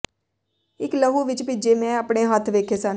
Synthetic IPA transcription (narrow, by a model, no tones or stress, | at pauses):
ɪkləɦuːʋɪt͡ʃpɪd͡ʒeːmɛ̃ːəpɳeːɦət̪ʰʋeːkʰeːsən